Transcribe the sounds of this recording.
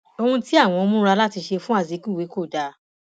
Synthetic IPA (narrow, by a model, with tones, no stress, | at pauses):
o˧hũ˧ti˦a˦˨w̃ɔ̃˧o˧mũ˦ɾa˧la˦ti˧ʃe˧fũ˦a˦˨zi˨˦kũ˦˨we˨˦ko˦˨da˧